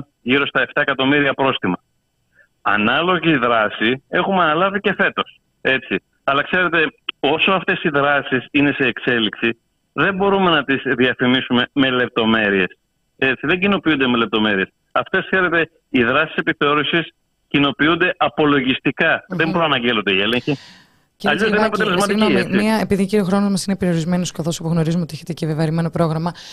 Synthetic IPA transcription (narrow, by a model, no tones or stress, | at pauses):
ʝiɾo̞st̪ɐe̞ft̪ɐekɐt̪o̞miɾiɐpɾo̞st̪imɐ | ɐ̰nɐlo̞ʝiðɾɐsie̞xumɐnɐlɐvice̞fe̞t̪o̞s | e̞t͡s̪i | ɐlɐkse̞ɾe̞t̪e̞o̞soɐft̪e̞siðɾɐsisine̞se̞ːkse̞liksi | ðe̞mbo̞ɾume̞nɐt̪izðiɐfimisume̞me̞le̞p̚t̪o̞me̞ɾie̞s | et̪siðe̞ɟino̞piund̪e̞me̞le̞p̚t̪o̞me̞ɾie̞s | ɐft̪e̞sθe̞ɾe̞t̪e̞ | iðɾɐsi̥se̞piθe̞o̞ɾusis | cino̞piund̪e̞ʔɐpo̞lo̞ʝist̪ikɐðemboɾɐnɐɲɟelod̪eieleɲçi | ceɐʎoðineɐpot̪elezmɐt̪iɣnomismiɐepiðiciɾio̞xɾo̞nozmɐsinepeɾio̞ɾizme̞noskɐθo̞sɐpuɣno̞ɾizumeot̪eçet̪ecevevɐɾime̞no̞pɾo̞ɣɾɐmɐ